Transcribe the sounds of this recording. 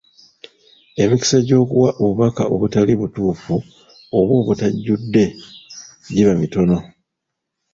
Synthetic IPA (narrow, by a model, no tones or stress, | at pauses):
e̞miki̥seɟo̞ːkuwaʔoβuβakaʔo̞βutaliβutuːfu | oβwo̞ːβutaɟːudːe̞ | ɟiβamito̞no̞